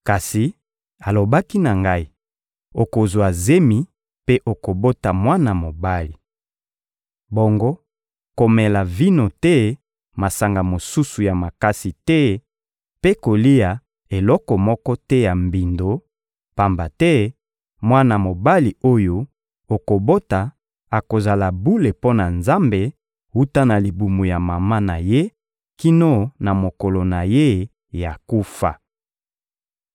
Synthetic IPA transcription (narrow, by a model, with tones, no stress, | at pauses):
ka˨si˨ | a˨lo˨ba˦ki˦na˨ŋɡa˦i˦ | o˨ko˨zwa˨ze˦mi˨ | pe˦ʔo˨ko˨bo˦ta˨mwa˦na˨mo˨ba˦li˨ | bɔ˨ŋɡo˦ | ko˨mɛ˨la˨vi˦no˨tɛ˦ | ma˨sa˨ŋɡa˨mo˨su˦su˨ja˨ma˨ka˦si˨tɛ˦ | pe˦ko˨li˦ja˨ | e˨lɔ˦kɔ˨mɔ˦kɔ˦tɛ˦ja˨mbi˨ndo˨ | pa˨mba˨tɛ˦ | mwa˦na˨mo˨ba˦li˨o˦jo˦ | o˨ko˨bo˦ta˨ | a˨ko˨za˨la˨bu˦le˨po˦na˨nza˦mbe˨ | wu˦ta˦na˨li˨bu˨mo˨ja˨ma˨ma˦na˨je˦ | ki˦no˦na˨mo˨kɔ˨lo˨na˨je˦ | ja˨ku˦fa˨